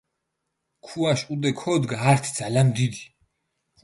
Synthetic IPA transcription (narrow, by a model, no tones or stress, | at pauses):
kʰuaʃʼud̪ɛkʰɔd̪ɡaːɾt̪ʰid̪zalanmd̪id̪i